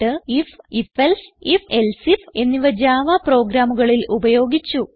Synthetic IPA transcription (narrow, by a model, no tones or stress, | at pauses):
ɨififelsifelsife̞nːiʋɐd͡ʑaːʋɐpro̞ːɡɾaːmuɣɐɭilʔubɐjo̞ːɡit͡ɕːu